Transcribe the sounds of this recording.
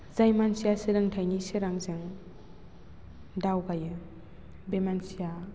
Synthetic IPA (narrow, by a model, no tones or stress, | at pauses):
zajmansijasɯɾɯŋtʰajnisɯɾaŋzɯŋ | dawɡajɯ | bemansija